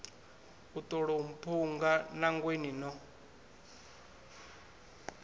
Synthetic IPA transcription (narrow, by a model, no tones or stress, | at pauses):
utʼɔɺoum̩pʰuŋɡanaŋɡweninɔ